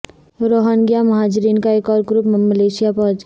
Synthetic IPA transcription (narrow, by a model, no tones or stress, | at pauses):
ɾoɦənɡijamɐɦad͡ʒɾiːnkaeːkɔːɾɡɾupmməleːsijapɔɦd͡ʒ